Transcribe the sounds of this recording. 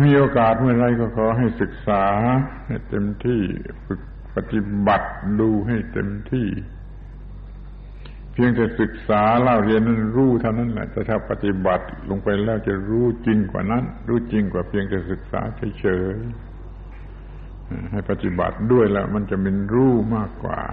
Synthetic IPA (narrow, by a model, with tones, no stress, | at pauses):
miː˧˥ʔoː˧kaː˨˩t̪̚mɯ˧˩ɐ˨ɾa˧jkɔː˧˩kʰɔː˨˦ɦa˧˥˩jsɯ˨˩k̚saː˨˦ha˧˩jt̪e˧mt̪ʰiː˧˩fʰɯ˨˩k̚ | pa˧t̪i˧ba˨˩t̪̚duː˧ɦa˧˩jt̪ḛ˧mt̪ʰiː˧˩ | pʰi˧əŋt̪ɛː˨˩sɯ˨˩k̚saː˨˦laː˧˩wli˧˨na˥˩˨nɾuː˧˩t̪ʰa˧˨wna˥˨nlɛ̰˧ʔt̪ɛː˧˩t̪ʰaː˧˩pa˧t̪i˧˦ba˨˩t̪̚lʔo˧˦ŋpa˧jlɛː˧˥˩wt͡ɕa˧˩ɾuː˧˥˩t͡ɕi˧ŋkwa̰ː˨˩na˧˥˨nɾuː˧˩t͡ɕi˧ŋkwaː˨˩pʰi˧əŋt̪ɛː˨˩sɯ˨˩k̚sa̰ː˨˦t͡ɕʰaː˧˦t͡ɕʰɤː˨˦j | ha˧˩ha˧˩jpa˧t̪i˧˦ba̰˨˩t̪̚du˥˩əjlɛ˧˩ma˧˥˨nt͡ɕa˨˧˨mi˧˥˨nɾuː˧˥˩maː˧˥˩kːwa̰ː˨˩